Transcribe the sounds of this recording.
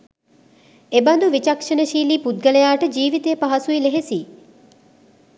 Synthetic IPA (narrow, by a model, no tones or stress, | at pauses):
eband̪uʋit͡ʃɐkʃənəʃiːliːpud̪̚ɡələjaːʈəd͡ʒiːʋit̪eːpaɦɐsuileɦesiː